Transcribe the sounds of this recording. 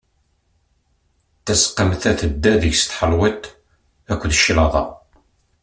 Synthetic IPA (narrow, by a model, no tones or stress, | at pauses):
θæsqːəmθæθəd̪ːæðəʝst̪ħəlwit̪ | ækʷːðəʃlɑðˤɑ̰